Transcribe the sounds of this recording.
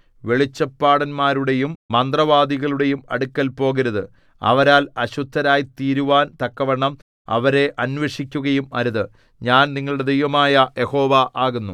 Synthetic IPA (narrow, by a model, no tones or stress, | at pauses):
ʋe̞ɭit͡ɕːɐpːaːɽɐnmaːɾuɽe̞jumːɐnd̪rɐʋaːd̪iɣɐɭuɽe̞jumɐ̰ɽukʲːɐlpo̞ːɣɐɾuðɨ | ɐ̰ʋɐɾaːlɐɕud̪ʱːɐɾaːjit̪iːɾuʋaːnt̪ɐkːɐʋɐɳːɐm | ɐ̰ʋɐɾe̞ʔɐnʋeʂikʲːuɣɐjumɐ̰ɾuðɨ | ɲaːnniŋːɐɭuɽe̞d̪ejʋɐmaːjɐjeho̞ːʋaʔaːɣunːu